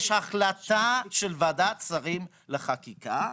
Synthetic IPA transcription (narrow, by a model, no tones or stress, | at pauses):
ʃhaχlat̪aʃelvad̪at͡saʁim | leχakika